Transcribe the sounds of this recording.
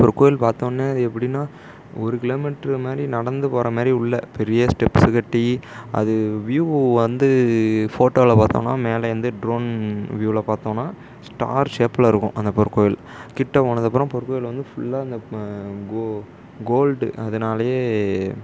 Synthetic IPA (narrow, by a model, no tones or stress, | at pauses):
pɔɾkːoːjɪlpaːɾt̪õːnːeːɐðɯɛpːɐɽinːaː | ɔɾɯkɪloːmɪʈːɐɾmaːd̪ɾinɐɽɐnd̪ɯpoːɾɐmaːd̪ɾiʊɭːɐpɛɾɪjɐsʈɛpːsɪkɐʈːiɐ̰ðɯʋjuːʋɐnd̪ɯfoːʈːoːlɐpaːɾt̪õ̰ːnːa̰ːmeːlɐʋɐnd̪ɯɖɾoːnʋjuːɪlɐpaːɾt̪õːnːaː | sʈa̰ːɾt͡ʃeːpːlɪɾɯkːʊ̰̃ʔɐnd̪ɐpɔɾɯkːoːjɪl | kɪʈːɐpoːnɐðɐp̬ːɯɾʊ̃pɔɾɯkːoːjɪlʋɐnd̪ɯfʊɭːaːɐnd̪ɐɡo | ɡoːlɖɐðɐnaːlɐjeː